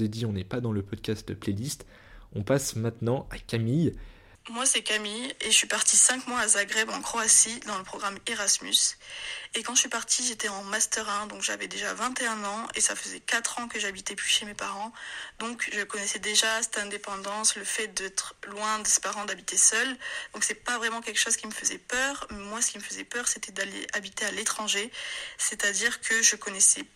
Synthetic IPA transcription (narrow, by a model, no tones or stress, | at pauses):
ed̪iɔ̃nɛpad̪ɑ̃ləpɔd̪̚kast̪̚əplɛlist̪ | ɔ̃pasmɛ̃t̪nɑ̃akʲamij | mwasɛkamijeʒəsɥipaʁt̪isɛ̃kmwaazaɡʁɛbɑ̃kχɔasid̪ɑ̃ləpχɔɡʁameʁasmys | ekɑ̃ʒəsɥipaʁt̪ʰiʒet̪ɛɑ̃mast̪əʁɛ̃d̪ɔ̃kʒa̰vɛd̪eʒavɛ̃t̪eɛ̃nɑ̃esafəzɛkat̪χɑ̃kəʒabit̪ɛplyʃemepaʁɑ̃d̪ɔ̃kʒəkɔnɛsɛd̪eʒasɛt̪ɛ̃d̪epɑ̃d̪ɑ̃sləfɛt̪̚d̪ɛt̪χlwɛ̃d̪əse̥paʁɑ̃d̪abit̪esœld̪ɔ̃ksɛpavʁɛmɑ̃kʲɛlkʃozkʲiməfəzɛpœːʁmɛmwasə̥kʲiməfəzɛpœʁset̪ɛd̪alḛabit̪ealet̪χɑ̃ʒeset̪ad̪iʁkʰəʒəkɔnɛsɛ